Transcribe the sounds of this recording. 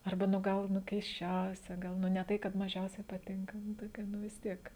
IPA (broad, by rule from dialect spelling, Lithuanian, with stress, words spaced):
ɐrˈbɐ ˈnʊ ˈɡɐlˠ ˈnʊ kʲɛɪsʲˈt͡ʃʲɛʊsʲɛ ˈɡɐlˠ ˈnʊ nʲɛ ˈtɐɪ kɐt mɐˈʒʲɛʊsʲɛɪ pɐˈtʲɪŋkɐ ˈnʊ ˈtoːkʲɛ ˈnʊ ʋʲɪs ˈtʲiɛk